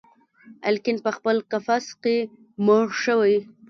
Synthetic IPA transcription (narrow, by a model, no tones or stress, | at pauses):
ɪ̰lkɪnpəxpəlkafaske | moɽʃəwaj